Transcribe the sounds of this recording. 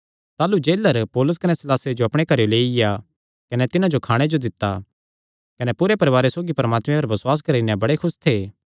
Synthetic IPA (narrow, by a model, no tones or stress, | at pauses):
t̪aːlud͡ʒeːləɾpɔːlʊs̬kɐnɛsɪlaːsed͡ʒoɐpɽ̃ekɐɾjoleːɪja | kɐnɛt̪ɪnãd͡ʒokʰaːɽ̃ed͡ʒod̪ɪt̪ːa | kɐnɛpʊɾepɐɾɪʋaːɾesoːɡipɐɾmaːt̪mẽpɐɾbɐswaːs̬kɐɾinɛ̃bɐɽekʰʊst̪ʰeː